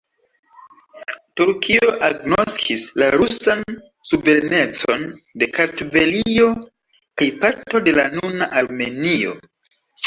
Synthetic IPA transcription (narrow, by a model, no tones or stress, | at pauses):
tuɾkʰio̞ʔaɡno̞skʰislaɾusan | suve̞ɾne̞t͡so̞nde̞kaɾtove̞lio̞ | kajpaɾto̞de̞lanunaʔaɾme̞nio̞̰